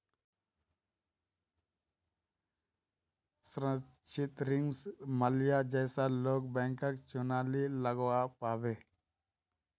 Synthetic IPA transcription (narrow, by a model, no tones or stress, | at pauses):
sɾə̃ | t͡ʃɪt̪ɾɪŋɡsməljad͡ʒɛɪsaloːkbɛ̃ːŋkəkt͡ʃʊnaːliləɡwapaːʋeː